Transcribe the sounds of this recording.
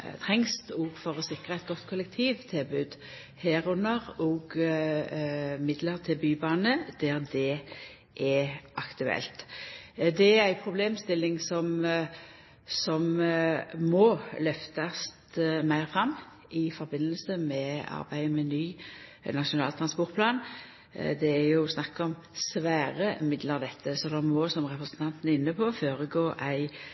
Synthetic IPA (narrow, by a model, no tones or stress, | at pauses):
t̪ʰɾɛŋst̪ɔɡfɔɾɔsɪkʁəɛt̪̚ɡɔt̪ːkʰʊlɛk̚t̪ʰiːʋt̪ʰɪlbʉːd̪ | hæːɾnəʁɔɡ | mɪd̪ləɾt̪ʰɪlbyːbɑːnəd̪̥æɾd̪ɛ | ʔɛʔɑkt̪ʉɛ̰lt̪ | d̪ɛæɾæɪpʰɾʊbleːmst̪ɪlːɪŋsɔm | sɔm | mɔlœft̪ɑst̪mæɪɾfɾɑmː | ɪfɔɾbɪnːəlsəmɛɑ̰ɾbæɪəmɛnyːnɑʂʊnɑːlt̪ʰɾɑnspɔʁt̪̚pʰlɑːn | d̪ɛæɾjʊsnɑkːɔm | sʋæːɾəmɪd̪ləʁd̪ɛt̪ʰːəsɔd̪ɑnmɔsɔmʁɛpɾəsnt̪ʰɑnt̪n̩ɪnːəpʰɔføːɾəɡoːʔæɪ